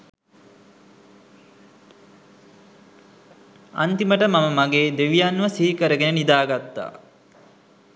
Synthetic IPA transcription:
a̰nt̪iməʈəmaməmaɡeːd̪eʋijanːʋəsiɦikəɾəɡenənid̪aːɡat̪ːa̰ː

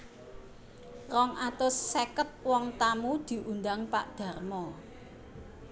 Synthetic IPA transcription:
rɔŋat̪ʊsːekət̪̚wɔŋt̪amud̪̥i̤ʔund̪aŋpaʔd̪̥ä̤rmɔ

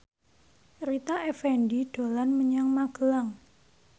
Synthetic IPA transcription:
ɾit̪aʔɛfɛndiɖ̥o̤lanməɲaŋmaɡ̥ə̤laŋ

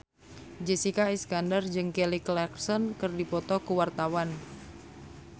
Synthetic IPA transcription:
d͡ʒesikaiskandard͡ʒɨŋkeliklɛksɔnkərdipɔt̪ɔkuwart̪awan

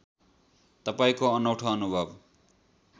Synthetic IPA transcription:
t̪ʌpaĩkoʌnʌwʈʰʌːnubʱʌb

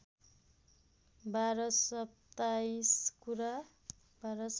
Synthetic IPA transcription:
baɾʌsʌp̚t̪ajskuɾa | baɾʌs

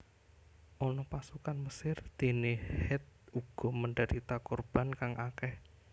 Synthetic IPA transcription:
ʔɔnɔpasukanməsɪrd̪̥e̤nehɛt̪̚uɡ̥ɔməɳɖəɾit̪akɔrb̥ankaŋʔakɛh

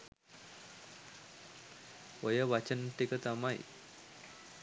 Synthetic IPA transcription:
ojəʋat͡ʃənʈikət̪amaj

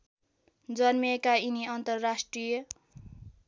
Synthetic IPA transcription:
d͡zʌnmekainiʌnt̪ʌrːasʈrijʌ

